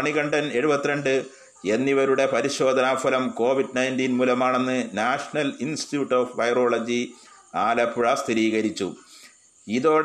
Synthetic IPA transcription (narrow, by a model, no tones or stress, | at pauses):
ɐɳiɣɐɳɖɐne̞ɻubɐt̪ːiɾeɳɖɨ | e̞nːiʋɐɾuɽe̞pɐɾiɕo̞ːd̪ʱɐnaːfɐlɐmko̞ːʋiɖnɐjnt̪iːnmuːlɐmaːɳe̞nːɨnaːʂɐɳɐlinstijuːʈːoːfʋɐjro̞ːɭɐd͡ʑi | aːlɐpːuɻɐst̪ʰiɾiːɣɐɾit͡ɕːu | iðo̞ːɽ